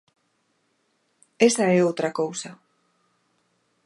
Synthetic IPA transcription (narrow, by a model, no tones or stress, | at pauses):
esaɛowt̪ɾakowsa